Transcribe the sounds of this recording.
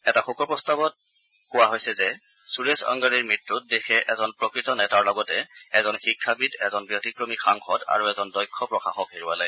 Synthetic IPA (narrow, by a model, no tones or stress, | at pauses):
ɛtaxokɔɹpɹɔstabɔt̚ | kʊwaɦojsɛzɛ | suɹesa̰ŋɡaɹiɹmɹitɹut̚dexɛʔɛzɔnpɹɔkɹitɔnɛtaɹlɔɡɔtɛɛzɔnxikʰːabitɛzɔnbijotikɹomixaŋxɔda̰ɹuɛzɔndɔjkʰːɔpɹɔxaxɔkeɹuwa̰laj